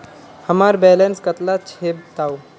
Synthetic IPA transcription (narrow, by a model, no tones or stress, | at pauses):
həmaɾbɛlenskət̪lat͡ʃʰeb̚t̪au